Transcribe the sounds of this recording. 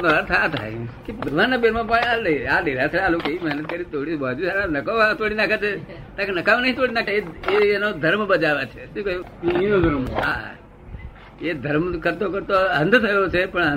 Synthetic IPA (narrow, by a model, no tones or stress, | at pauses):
əɾaɾt̪ʰat̪ʰa̰jkebəɡʋanːabeɾmãp̬əɳaləĩaɗiɾasʰəalokeimɛɦnət̪̚kəɾit̪ʰoɽibad͡ʒusaɾãnəkoʋãt̪oɽinakʰat͡ʃʰe | t̪ãkenəkaʋanəɦĩt̪oɽinakʰeeenod̪ʱəɾmbəd͡ʒaʋat͡ʃʰeʃũkəjũ | iod̪ʱəɾma̰ | ed̪ʱəɾmkəɾt̪okəɾt̪oɦə̃nd̪ʱt̪ʰəjot͡ʃʰepəɳə